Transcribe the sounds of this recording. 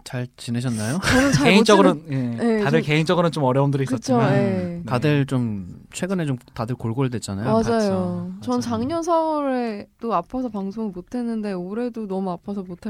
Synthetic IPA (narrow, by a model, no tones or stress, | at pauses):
t͡ɕaɭt͡ɕineɕʰʌnːajoʌnɯnt͡ɕakeit͡ɕ͈ʌɡɯɾonje̞jeadɯɭke̞int͡ɕ͈ʌɡɯɾont͡ɕomʌɾjʌumdɯɾik͈ʌt͡ɕ͈ʰiomaetadɯɭt͡ɕomt͡ɕʰwe̞ɡɯnet͡ɕomtadɯɭkoɭɡoidwe̞t̚t͡ɕ͈anajmad͡ʑajot͡ɕʌnt͡ɕaŋɲʌns̬ʰauɾet͈oapʰasʰʌpaŋsʰoŋimotʰe̞nːɯnde̞oɾe̞donʌmuapʰasʰʌmotʰe